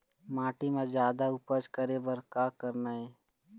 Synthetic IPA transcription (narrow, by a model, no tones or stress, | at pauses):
maːʈimẽzjaːd̪aʊpət͡ʃkəɾebəɾkaːkəɾnaɦeː